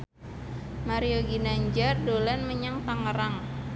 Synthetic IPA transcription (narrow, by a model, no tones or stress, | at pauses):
maɾioɡinaɲd͡ʒardolanməɲaŋt̪aŋəɾaŋ